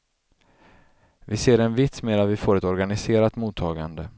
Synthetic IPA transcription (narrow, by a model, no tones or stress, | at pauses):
vɪseːɾɛnvɪt̪smeːɾat̪vɪfoːɾɛt̪ɔɾɡanɪseːɾat̪muːt̪ʰːɑːɡand̪ə